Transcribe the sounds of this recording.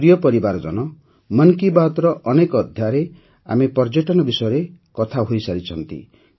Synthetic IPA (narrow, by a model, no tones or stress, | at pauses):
ɾijɔpɔɾibaɾɔd͡ʒɔ̰nɔ | mʌnkibaɦɔt̪ɔɾɔʔɔnekɔːd̪ʱjaɾe | a̰mepɔɾd͡ʒeʈɔnɔbisɔjɔɾekɔt̪ʰaɦojsaɾit͡ʃʰɔnt̪ḭ